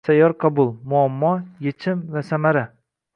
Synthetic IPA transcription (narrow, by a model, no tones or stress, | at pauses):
sajɒɾqʰɑbʊlˠmʊamːɒjet͡ʃʰɪmvasamaɾa